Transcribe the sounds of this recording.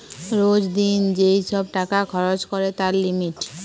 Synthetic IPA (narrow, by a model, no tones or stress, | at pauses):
ɾod͡ʒd̪ind͡ʒeisɔb̚ʈakakʰɔɹot͡ʃkɔɹet̪aɾlimiʈ